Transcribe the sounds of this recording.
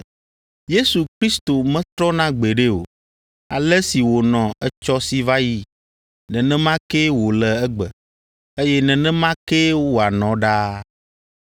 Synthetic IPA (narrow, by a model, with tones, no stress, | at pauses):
je˦su˨kɾi˦st̪o˨mɛ̃˦t̪ɾɔ˦nã˦ɡ͡be˨ɖe˦o̰˨ | a˨lɛ˦si˨wo˨nɔ̃˨ɛ˦t͡ʃɔ˦si˨va˦ji˦ | nɛ̃˨nɛ̃˦mã˦ke˦wo˨lɛ˨ɛ˦ɡ͡bɛ˨ | e˦jɛ˦nɛ̃˨nɛ̃˦mã˦ke˦wo˨a˨nɔ̃˨ɖa˦